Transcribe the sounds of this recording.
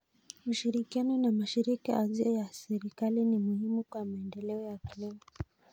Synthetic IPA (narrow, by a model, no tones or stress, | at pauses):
uʃiɾikianɔnamaʃiɾikaaziɔjasɛɾikalinimuhimukwamaɛndɛlɛɔjakilimɔ